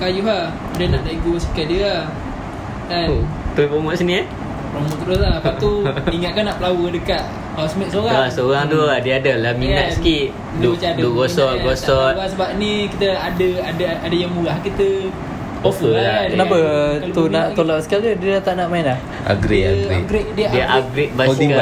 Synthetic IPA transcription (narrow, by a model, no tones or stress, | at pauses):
kajuɦah | udənaʔdaʔiɡospi̥kadiəah | at̪upomɔʔsənia | pomɔʔt̪udosapat̪uiŋat̪̚kanaʔpəlawədəkat̪̚ | asəmiʔsoɣaasoɣaŋt̪uadiəadalamiŋat̪sə̥kiʔ | duduɡosɔt̪̚ɡosɔt̪basəbap̚nikit̪əadəadaadajaŋmulahkit̪ə | ofəlanabət̪unaʔt̪olaʔsə̥kialədiədat̪aʔnaʔmaɪnlah | a̰ɡɾiaɡia̰ɡɾeʔdiədiaʔaɡɾiʔ̚baka